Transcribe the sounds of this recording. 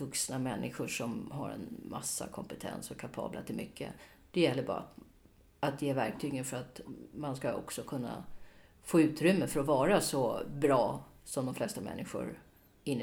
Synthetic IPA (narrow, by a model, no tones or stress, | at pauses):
vɵksnamɛnːɪɧʊʂɔmɦaɾɛ̰nma̰sːa̰kʰɔmpət̪ʰɛ̰nsɔkʰapʰɑ̰ːblat̪ʰɪlmʏkːə̰ | d̪̥ɛjɛlːəbɑ̰ːɾa̰ | at̪jeːvæɾk̚t̪ʰyːɡənfœɾat̪manskaɔ̰ksɔkʰɵnːa̰ | foːʉ̟ːt̪ɾʏmːəfœɾɔvɑːɾasɔbɾɑːsɔmd̪ɔmflɛst̪amɛ̰nːɪɧʊ̰ɾ | ɪnː